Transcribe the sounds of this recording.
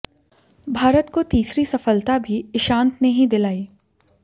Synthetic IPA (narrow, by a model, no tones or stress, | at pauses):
bʱaːɾət̪kot̪iːsɾisɐfəlt̪abʱiʃãːnt̪nɐɦĩd̪ɪlaːiː